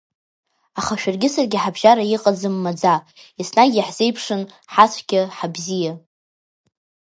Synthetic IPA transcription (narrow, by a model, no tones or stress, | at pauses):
aχaʃᶣarɡʲɪsarɡʲɪħabʒaɾajiqʼad͡zɨmːad͡za | isnaɡʲaħz̥e̞jpʰʂɨn | ħat͡sʷʰʼɡʲɪħabzija